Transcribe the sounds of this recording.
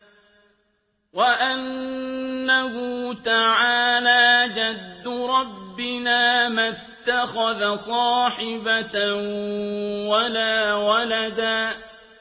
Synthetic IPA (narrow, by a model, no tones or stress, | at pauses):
waʔanː | ahʊt̪aʕaːlaːd͡ʒad̪ːʊɾˤɑbːɪnaːmat̪ːaxaðasˤɑːħɪba | walaːwalad̪aː